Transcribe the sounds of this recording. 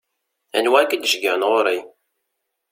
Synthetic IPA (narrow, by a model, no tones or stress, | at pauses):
æ̰nwækəd̪ʒɡənʁoɾi